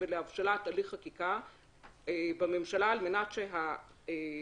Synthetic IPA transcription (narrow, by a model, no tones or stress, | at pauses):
eleavʃalataliχakika | ebame̞mʃalaːlme̞natʃeɦa | e